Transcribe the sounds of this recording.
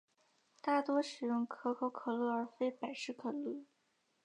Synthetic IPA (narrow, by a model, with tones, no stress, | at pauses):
t̪a˥˩t̪wɔ˥ʂɻ̩˨˩jʊ˥˩ŋkʰɤ˧˥kʰo˧˥ʊkʰɤ˨˩lu˥˩ə˞˧˥fe˥ɪpa˨˩ɪʂɻ̩˥˩kʰɤ˨˩lu˥˩